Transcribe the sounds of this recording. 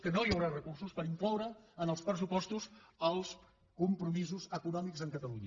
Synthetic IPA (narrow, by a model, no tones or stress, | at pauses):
kənojəwɾarəkursuspəɾiŋklɔwɾəːnəlˠspɾəs̬upɔst̪uzəlˠs | kumpɾumizuzəkunɔmikzəŋkət̪əluɲə